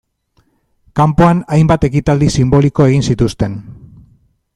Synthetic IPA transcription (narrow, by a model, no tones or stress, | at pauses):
kampo̞anajmbat̪e̞kit̪ald̪isimbo̞liko̞e̞ɣ̞insit̪ust̪e̞n